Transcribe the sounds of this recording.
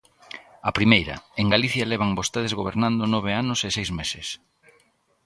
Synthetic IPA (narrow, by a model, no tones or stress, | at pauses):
ɐpɾimejɾɐ̰eŋɡaliθjɐlɛβ̞aŋbost̪eð̞ezɣoβ̞eɾnãnd̪ʊnɔβ̞eanʊsesejzmesɪs